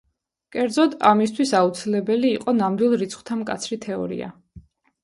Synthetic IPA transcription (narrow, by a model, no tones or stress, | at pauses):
kʼɛɾd̪zɔd̪amist̪ʰwisaut̪sʰilɛbɛliːqʼɔnamd̪wilˠɾit̪sʰχwt̪ʰamkʼa̰t̪sʰɾit̪ʰɛɔ̰ɾḭa̰